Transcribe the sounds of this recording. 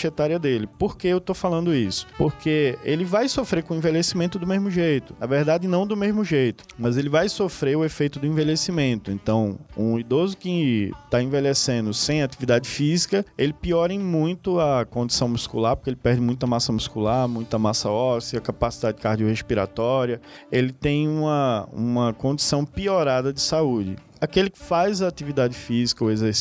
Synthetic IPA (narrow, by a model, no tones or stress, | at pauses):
ʃet̪aɾiɐd̪elɪpoɾkeewt̪ofalɐ̃nd̪ʊisʊ̥poɾkʰeelɪvajsofɾekõĩvelesimẽnt̪ʊd̪ʊmezmʊʒejt̪ʊnɐveɾd̪ad͡ʒɪnɐ̃w̃d̪ʊmezmʊʒejt̪ʊ̥mɐzelɪvajsofɾeʊefejt̪ʊd̪ʊĩvelesimẽnt̪ʊḛ̃nt̪ɐ̃w̃ṵ̃id̪ozʊkɪt̪aẽvelesẽnd̪ʊsẽj̃at̪ivid̪ad͡ʒɪfizikɐelɪpiɔɾẽj̃mũj̃t̪ʊɐkõnd͡ʒ̪isɐ̃w̃muskulaɾpo̥keelɪpɛɾd͡ʒɪmũj̃t̪ɐmasɐmuskulaɾmũj̃t̪ɐmasɐɔsiɐkapasid̪adɪd͡ʒɪkaɾd͡ʒiʊhespiɾa̰t̪ɔɾiɐelɪt̪ẽj̃ũmɐũmɐkõnd̪isɐ̃w̃pioɾad̪ɐd͡ʒɪsaud͡ʒɪ̰ | akelɪkɪ̥fajzɐːt̪ivid̪ad͡ʒɪfizikɐʊezeɾs